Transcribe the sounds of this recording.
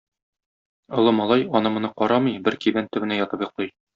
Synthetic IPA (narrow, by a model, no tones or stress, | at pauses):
ŏlˠɤmɒlˠɑjɒnɤmŏnɤqɒɾɑmɤjbɘɾkiðænt̪ɵ̆bɘ̆næjɒt̪ɤpjŏqlˠɤj